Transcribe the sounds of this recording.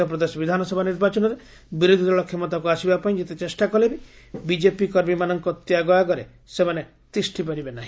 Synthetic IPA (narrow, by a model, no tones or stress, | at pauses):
ɔpɾɔd̪esɔbid̪ʱanɔsɔbʱaniɾbat͡ʃɔnɔɾe | biɾud̪ʱiɔɭɔkʰːjɔmɔt̪ak̬uasibapaĩd͡ʒet̪et͡ʃesʈakɔlebi | bid͡ʒepikɔɾmimanɔŋkɔt̪ːjaɡɔjaɡɔɾe | semane | t̪ɾisʈʰipaɾibenaɦĩ